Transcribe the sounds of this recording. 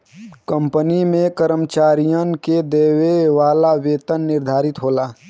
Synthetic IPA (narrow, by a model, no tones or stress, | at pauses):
kə̃mpənimẽkəɾəmt͡ʃaːɾijənked̪eːweʋaːlaʋeːt̪ənːɪɾd̪ʱaːɾɪt̪ɦoːlaː